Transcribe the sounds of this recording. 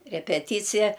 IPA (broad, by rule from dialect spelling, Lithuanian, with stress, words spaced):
rʲɛpʲɛˈtʲiːt͡sʲɪjɛ